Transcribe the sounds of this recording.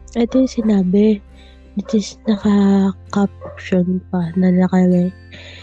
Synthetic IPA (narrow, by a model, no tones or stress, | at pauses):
ʔɛt̪ojsɪnaːbɛ | ɪt͡ʃɪsnɐkɐkap̚pʃonpɐnɐnɐkɐɾɛ